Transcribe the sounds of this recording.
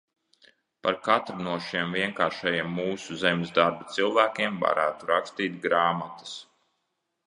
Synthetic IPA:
paɾkat̪ɾunuɔʃiɛmviɛŋkaːɾʃajiɛmːuːsuzemʲzd̪aɾbat̪silˠvæːkʲiɛmva̰ɾæːt̪uɾakst̪iːt̪̚ɡɾaːmat̪ɐ̥s

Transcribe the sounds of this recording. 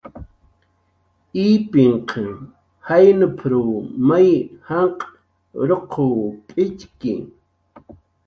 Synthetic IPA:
iːpɪɴqʰe | hajnʊpʰɾuːmajhaɴqʼ | ɾoqʰoːpʼɪt͡ʃkɪ̰

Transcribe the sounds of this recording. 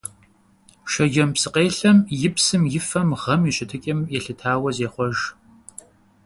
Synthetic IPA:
ʃɐʒɐmpsɨqeːɬɐmjɪpsɨmjɪfɐmʁɐmiɕʼɪtʰɨkʲʼɐmjɛɬɨtʰaːwɐzeːχʷɔʒ

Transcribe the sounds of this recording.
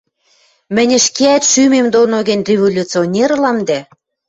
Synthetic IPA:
mɘ̆nʲɘ̆ʃkeæt̪ʃymemd̪onoɣɘ̆nʲrʲevolʲut͡sionʲerlɑmd̪æ

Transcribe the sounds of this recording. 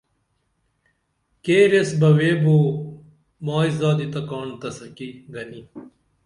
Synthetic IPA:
keːɾesbɐweːboː | maːizaːd̪it̪ɐkɔːnt̪ɐsɐkiɡɐni

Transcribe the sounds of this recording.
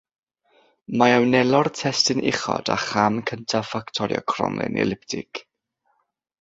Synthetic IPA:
maɛwnɛlˠɔrtʰɛstɪnʔɪχɔ̰d̥aχamkʰəntʰafaktʰɔɾjɔ̰kʰrɔ̰mlˠɪ̰nɛ̰lˠɪp̚tʰɪk

